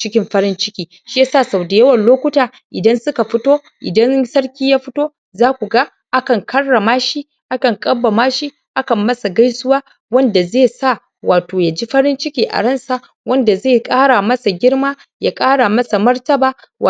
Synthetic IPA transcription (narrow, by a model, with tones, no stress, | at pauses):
t͡ʃɪ˦kʲɪ˦mɸɐ˦ɽɪ˦nt͡ʃɪ˦kʲiː˨ | ʃi˦ja˦saː˦˨sa˨wde˨jɐ˦wɐ˨nloː˦kʷʊ˦taː˨ | ʔɪ˨dɐ˦nsʊ˦ka˨ɸɪ˦toː˦ | ʔɪ̰˨dɐ˦nsɐ˦ɽkʲiː˦jaː˦ɸɪ˦toː˦ | zaː˦kʷu˨ɡa˦ | ʔa˦kɐ˨ŋkʰɐ˦ɽːɐ˨maː˦ʃi˦ | ʔa˦kɐ˨ŋkʼɐ˦bːɐ˨maː˦ʃi˦ | ʔa˦kɐ˨mːɐ˦sa˨ɡa˦jsʊ˦waː˦ | wɐ˦nda˨zeː˦˨sa˦˨ | waː˨toː˨jaː˨d͡ʒi˦ɸɐ˦ɽɪ˦nt͡ʃɪ˦kʲiː˦ʔa̰˨ɽɐ˦nsa˦ | wɐ˦nda˨zeː˦˨kʼaː˦ɽa˨mɐ˦sa˨ɡʲɪ˦ɽmaː˦ | jaː˨kʼaː˦ɽa˨mɐ˦sa˨mɐ˦rtɐ˦baː˨